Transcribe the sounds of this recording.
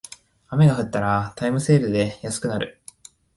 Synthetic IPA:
ame̞ɡaɸɯ̟t̪ːaɾat̪aimɯ̟se̞ːɾɯ̟d̪e̞jasɨ̥kɯ̟naɾɯ̟̰

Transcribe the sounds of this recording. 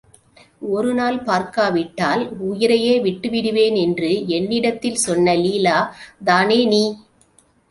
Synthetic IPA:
ɔɾɯnaːlpaːɾkaːʋɪʈːaːlʊjɪɾɐjeːʋɪʈːɯʋɪɽɯʋeːnɛndrɯɛnːɪɽɐt̪ːɪlsɔnːɐliːlaːd̪aːneːniː

